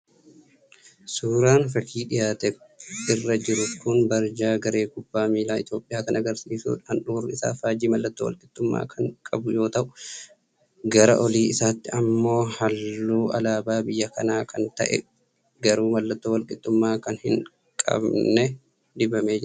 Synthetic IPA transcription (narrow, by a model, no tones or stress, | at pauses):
suːɾaːnfɐkʰiːᶑɪjaːt̪ɛɪrːɐd͡ʒɪɾʊt̪kʊnbɐɾd͡ʒaːɡɐɾe̞ːɡʊbːaːmiːlaːɪt̪jo̞ːpʼɪjaːkɐnʔɐɡɐɾsiːsṵːᶑɐnᶑurːɪsa̰ːfaːd͡ʒiːmɐlːɐt̪ːowɐ̰lkʼɪt̪ːʊmːa̰ːkʰɐŋkʼɐbʊjo̞ːt̪ɐʔʊ | ɡɐɾɐ̰ʔɔliːɪsaːt̪ːɪɐmːo̞ːhɐlːuːʔɐlaːbaːbɪjːɐkɐnaːkʰɐnt̪ɐ̰ʔɛ̰ | ɡɐɾuːmɐlːɐt̪ːowɐlkʼɪt̪ːʊmːaːkɐnhɪ̰ŋ | kʼɐ̰bnɛ | d̪ɪbɐmeːd͡ʒɪɾɐ